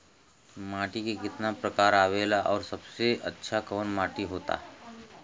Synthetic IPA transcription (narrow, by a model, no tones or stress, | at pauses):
maːʈikekɪt̪napɾɐkaːɾaːʋeːlaʔɔːɾsɐbseɐ̰tːʃʰakɔːnmãːʈiɦoːt̪a̰ːɦ